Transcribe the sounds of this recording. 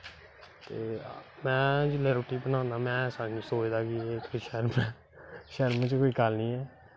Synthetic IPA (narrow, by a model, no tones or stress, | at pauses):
t̪eːmɛ̃ːd͡ʒɪleːɾoːʈiːbənãːnd̪aːmɛ̃ːsaːnisoːd̪aːkieːkʰoiʃəɾmɛː | ʃəɾmt͡ʃkoːiːkalnĩːɛː